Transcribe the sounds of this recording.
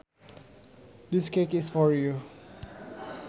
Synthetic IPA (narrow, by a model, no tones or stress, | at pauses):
diskekɪsfɔɹju